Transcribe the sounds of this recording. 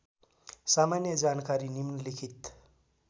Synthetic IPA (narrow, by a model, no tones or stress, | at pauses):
samanjəd͡zankaɾinimnlikʰit̪